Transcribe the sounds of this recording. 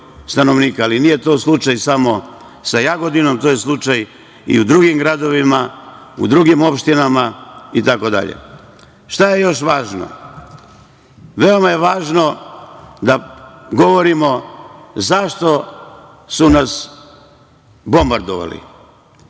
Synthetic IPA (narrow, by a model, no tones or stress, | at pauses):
st̪ano̞ʋniːkaalinije̞t̪o̞ːslˠut͡ʃajsamo̞ | sajaɡo̞d̪ino̞mt̪oje̞slˠut͡ʃaj | ḭud̪ɾuɡimɡɾad̪o̞ʋima | ṵd̪ɾuɡimo̞pʃt̪inamait̪ako̞d̪a̰ʎḛ | ʃt̪aje̞jo̞ʃʋaːʒno̰ | ʋe̞o̞maje̞ʋaːʒno̞ | d̪aɡo̞ʋo̞ɾimo̞zaʃt̪o̞ | sunas | bo̞mbaɾd̪oʋa̰lḭ